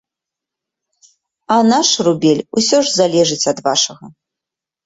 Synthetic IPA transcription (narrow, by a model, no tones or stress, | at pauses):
ɐnaʂrubʲɛlʲusʲɔʐzalʲɛʐɨt͡sʲɐd̪vaʂɐɣɐ